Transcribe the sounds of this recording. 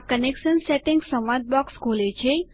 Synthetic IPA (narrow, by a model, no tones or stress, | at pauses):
kənekʃənseʈɪŋɡsə̃mʋad̪̚bɔkskolet͡ʃʰe